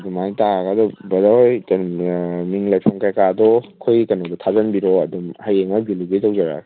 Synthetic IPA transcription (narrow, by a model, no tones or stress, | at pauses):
ɐdumajtaɡadɔbɐdaɔjtanmiŋlajpʰaŋkajkadɔkʰojkanɔdɔtʰazanbiɾɔɐdumhajeŋmabiluɡejtawd͡ʒaɾa̰